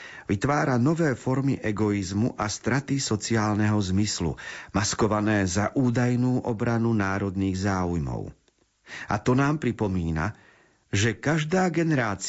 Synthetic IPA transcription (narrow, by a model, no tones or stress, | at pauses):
ʋit̪ʋaːɾanɔʋɛːfɔɾmiʔɛɡɔizmuʔast̪ɾat̪isɔt͡siaːlnɛɦɔzmislṵmaskɔʋanɛːzaʔuːd̪ajnuːʔɔbɾanunaːɾɔd̪niːɣzaːujmɔ̰ʊ | a̰t̪ɔnaːmpɾipɔmiːna̰ | ʒɛkaʒd̪aːɡɛnɛɾaːt͡s